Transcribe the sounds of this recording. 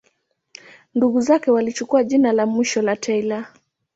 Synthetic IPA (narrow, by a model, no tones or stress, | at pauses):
nduɣuzakɛwalit͡ʃukuaʄinalamwiʃɔlatʰɛila